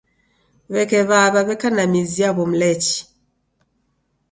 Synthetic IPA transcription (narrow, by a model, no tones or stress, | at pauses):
βekeβaβaβekanamiziaβom̩leci̥